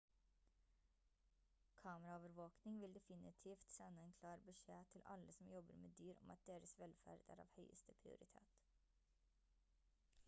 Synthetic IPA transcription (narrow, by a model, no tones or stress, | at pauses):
kʰɑːməɾɑoːʋəɾʋoːknɪŋʋɪld̪ɛfɪnɪt̪ʰiːft̪sɛnːəɛːnkʰlɑːɾbəʂeːt̪ʰɪlʔɑ̰ləsɔmjɔbə̰ɾmeːd̪yːɾɔ̰mʔɑt̪̚d̪eːɾəsʋɛlfæ̰ːɖæ̰ːɾɑ̰ːʋhœʏəst̪əpʰɾɪ̰ʊ̰ɾɪt̪ʰḛːt̪